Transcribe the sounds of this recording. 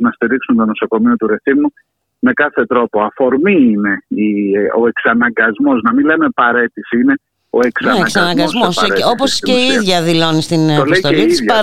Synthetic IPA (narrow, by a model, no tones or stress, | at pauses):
nɐst̪iɾiksunt̪o̞no̞so̞ko̞mio̞t̪uɾe̞θimu | me̞kɐθe̞t̪ɾo̞poɐfo̞ɾmiine̞io̞e̞ksɐnɐŋɡɐzmo̞znɐmile̞me̞pɐɾe̞t̪isine̞ | o̞eksɐksɐnɐŋɡɐsmosɾo̞posceiiðʝɐðilo̞nist̪inolest̪oeiɐisðʝɐ